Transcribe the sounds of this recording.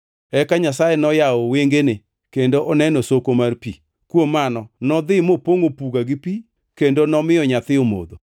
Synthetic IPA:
ɛkaɲasajenɔjaɔweŋɡene | kendoʔɔnɛnosokomaɾpḭ | kwomanɔnɔðɪmopoŋopuɡaɡipi | kendonɔmɪɔɲat̪ɪomo̰ðo

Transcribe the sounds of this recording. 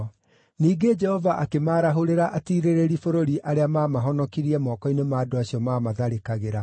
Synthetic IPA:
niːɡed͡ʒɛhɔvaʔakemaːɾaɦoɾeɾaʔatiːɾeɾeɾifoɾoɾiʔaɾeamaːmaɦɔnɔkiɾiɛmɔːkɔinemaːdoaɕiɔmaːmaðaɾekaɣeɾa

